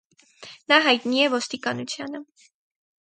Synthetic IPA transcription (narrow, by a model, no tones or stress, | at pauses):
nɑɦɑjt̪niɛvɔst̪ikɑnut͡sʰjɑnə